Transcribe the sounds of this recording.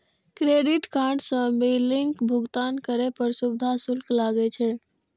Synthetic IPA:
kɾeɖiʈkaɾɖsə̃miliŋkbʱuɡt̪ankəɾepəɾsubd̪ʱasulklaɡɛt͡ʃʰɛ

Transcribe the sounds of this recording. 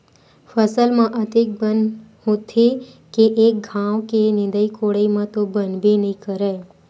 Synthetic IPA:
fəsəlmãʔət̪ek̚bənɦot̪ʰe | keʔek̚ɡʱãʋkenɪ̃nd̪əikoɽəimãt̪obənbinəɦĩkəɾa

